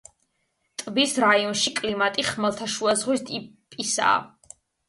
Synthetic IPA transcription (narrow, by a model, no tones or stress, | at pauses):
t̪ʼbisɾaiɔnʃikʼlimat̪ʼiχmɛlˠt̪ʰaʃuazʁwist̪ʼipʼisa̰ː